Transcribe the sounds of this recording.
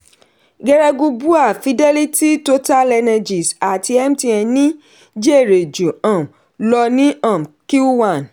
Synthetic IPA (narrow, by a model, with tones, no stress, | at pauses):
ɡɛ˧ɾɛ˧ɡu˧bu˦a˦˨fi˧dɛ˦li˦ti˦to˦ta˦lɛ˧na˧d͡ʒi˨sa˨ti˧ɛ˦m˦ti˧ɛ˧nĩ˦ | d͡ʒe˦e˦˨ɾe˨d͡ʒu˨ã˨m˨ | lɔ˧nĩ˦ã˦˨m˨ki˦wa˦˨n